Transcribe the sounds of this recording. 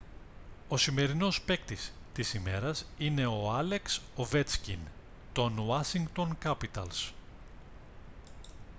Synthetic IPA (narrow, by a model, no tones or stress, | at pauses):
o̞sime̞ɾino̞spe̞kt̪ist̪isime̞ɾɐsine̞o̞ɐle̞ksove̞t͡scḭn | t̪o̞nwɐsiŋɡt̪o̞ŋkɐpit̪ɐ̰ls